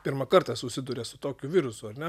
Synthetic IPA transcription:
pʲɪɾmɐkɐɾt̪ɐsʊsʲɪd̪ʊːɾʲɛsʊt̪oːkʲʊʋʲɪɾʊsʊɐɾnʲɛ

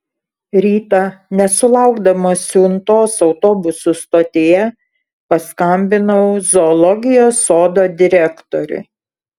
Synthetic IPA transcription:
ɾʲiːt̪ɐnʲɛsʊlˠɑˑʊɡd̪ɐmɐsʲuːnt̪oːsɒʊt̪oːbʊsʊst̪oːt̪ʲeːjɛ | pɐskɐmʲbʲɪnɐʊzɔːlˠɔɡʲɪjoːsoːd̪oːd̪ʲɪɾʲɛkt̪ɔɾʲʊ̰

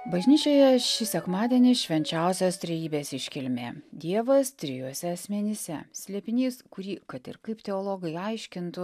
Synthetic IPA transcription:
bɐʒʲnʲiːt͡ʃʲoːjɛʃʲɪsʲɛkmɑːd̪ʲiɛnʲɪʃʲʋʲɛnʲt͡ʃʲɛˑʊsʲost̪ʲɾʲɛjiːbʲeːsɪʃʲkʲɪlʲmʲḛːd̪ʲiɛʋɐst̪ʲɾʲɪjuɔsʲɛɐsʲmʲɛnʲɪsʲɛ̰sʲlʲɛpʲɪnʲiːskʊɾʲiːkɐt̪ɪ̰ɾkɐɪpt̪ʲɛoːlˠoːɡɐɪɐɪʃʲkʲɪnt̪ʊ

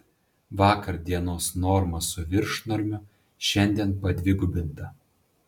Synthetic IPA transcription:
ʋɑːkɐɾd̪ʲiɛnoːsnɔɾmɐsʊʋʲɪɾʃnɔɾʲmʲʊ | ʃʲɛnʲd̪ʲiɛnpɐd̪ʲʋʲɪɡʊbʲɪnt̪ɐ

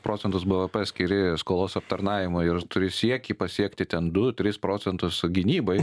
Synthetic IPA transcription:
pɾoːtsʲɛnt̪ʊsbɐʋɐpɐsʲkʲɪɾʲɪskoːlˠoːsɐp̚t̪ɐɾnɑːʋʲɪmʊɪɾt̪ʊɾʲɪsʲiɛkʲiːpɐsʲiɛkt̪ʲɪt̪ʲɛnd̪ʊt̪ʲɾʲɪspɾoːsʲɛnt̪ʊsɡʲɪnʲiːbɐɪ

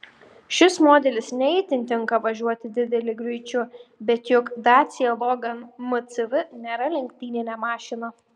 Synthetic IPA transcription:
ʃʲɪsmoːd̪ʲɛlʲɪsnʲɛit̪ʲɪnʲt̪ʲɪŋˑkɐʋɐʒʲuɔt̪ʲɪd̪ʲɪd̪ʲɛlʲɪɡɾʲʊɪt͡ʃʲʊbʲɛt̪jʊkd̪ɑːt̪sʲɪɛlˠɔɡɐnmʊt̪sʲɪʋʲɪnʲeːɾɐlʲɛŋʲkʲt̪ʲiːnʲɪnʲɛːmɑːʃʲɪnɐ

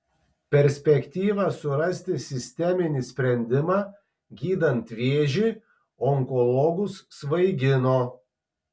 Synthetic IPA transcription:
pʲɛɾʲsʲpʲɛkʲt̪ʲiːʋɑsʊɾɐsʲt̪ʲɪsʲɪsʲt̪ʲɛmʲɪnʲisʲpʲɾʲɛnʲd̪ʲɪmɑː | ɡʲiːd̪ɐnt̪ʲʋʲeːʒʲiː | ɔŋkɔlˠɔɡʊsʋɐɪɡʲɪnoː

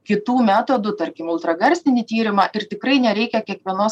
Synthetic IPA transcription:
kʲɪt̪uːmʲæːt̪oːd̪ʊt̪ɐɾʲkʲɪmʊlˠt̪ɾɐɡɐɾʲsʲt̪ʲɪnʲiːt̪ʲiːɾʲɪmɑːʔɪɾt̪ʲɪkɾɐɪnʲɛɾʲɛɪkʲɛkʲiɛkʋʲiɛnoːs

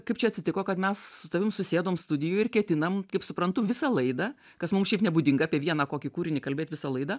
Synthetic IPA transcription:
kɐɪpt͡ʃʲɛɐtʲsʲɪt̪ʲɪkoːkɐt̪mʲɛssʊt̪ɐʋʲɪmsʊsʲeːd̪oːmst̪ʊd̪ʲɪjʊjɪrkʲɛt̪ʲɪnɐmkɐɪpsʊpɾɐnt̪ʊʋʲɪsɑlˠɐɪd̪ɐ | kɐsmʊmsʃʲɛɪpnʲɛbud̪ʲɪŋɡɐaːpʲiɛʋʲiɛnɑːkoːkʲɪkuːɾʲɪnʲɪkɐlʲbʲeːt̪ʲʋʲɪsɐlˠɐɪd̪ɐː

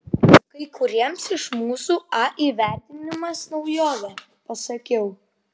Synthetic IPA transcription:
kɐɪkʊɾʲiɛmsɪʃmuːsuːɐʔiːʋʲæˑɾʲt̪ʲɪnʲɪmɐsnɒʊjoːʋʲɛ | pɐsɐkʲɛʊ

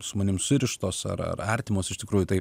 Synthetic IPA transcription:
sʊmɐnʲɪmsʊɾʲɪʃt̪oːsɐ̰ɾɐ̰rɐɾʲt̪ʲɪmoːsɪʃtʲɪkɾuːjʊt̪ɐɪ

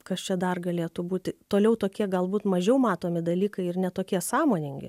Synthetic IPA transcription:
kɐst͡ʃʲɛd̪ɐrɡɐlʲeːt̪ubuːt̪ʲɪt̪oːlʲɛʊt̪oːkʲiɛɡɐlˠbuːt̪mɐʒʲɛʊmɑːt̪oːmʲɪd̪ɐlʲiːkɐɪɪrnʲɛt̪oːkʲiɛsɑːmoːnʲɪŋʲɡʲɪ̰

